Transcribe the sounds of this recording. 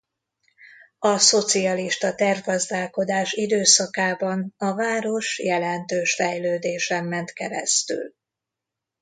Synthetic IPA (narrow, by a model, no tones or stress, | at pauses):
ɒso̞t̪siɒliʃt̪ɒt̪ɛrvɡɒzd̪aːlko̞d̪aːʃid̪øːsɒkaːbɒnɒvaːɾo̞ʃjɛlɛnt̪øːʃfɛjløːd̪eːʃɛmːɛnt̪kɛɾɛ̰st̪y̰l